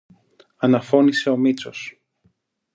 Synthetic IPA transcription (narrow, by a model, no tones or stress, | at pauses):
ɐnɐfo̞nise̞o̞mit͡so̞s